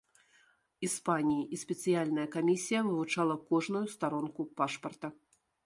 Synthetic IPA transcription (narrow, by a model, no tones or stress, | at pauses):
ispanʲijiʔisʲpʲɛt̪sɨjalʲnɐjɐkamʲisʲijɐvɨvut͡ʂalˠɐkɔʐnujust̪aɾɔnkupaʂpɐrt̪ɐ